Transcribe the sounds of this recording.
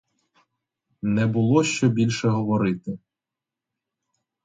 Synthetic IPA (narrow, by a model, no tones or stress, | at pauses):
nɛbʊlˠɔʃt͡ʃɔbʲilʲʃɛɦɔʋɔɾɪt̪ɪ